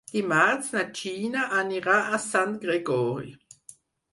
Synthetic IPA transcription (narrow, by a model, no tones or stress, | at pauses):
d̪̥imaʁt͡snat͡ʃiːnaʔaniʁaʔasant̪ɡ̥ʁeɡɔːʁi